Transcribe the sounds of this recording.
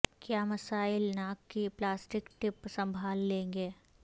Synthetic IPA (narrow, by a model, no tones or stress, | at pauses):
kjaːmɐsaːɪlnaːkkːiplaːsʈɪkʈɪpsɐ̃mbʱaːlːẽːŋɡeː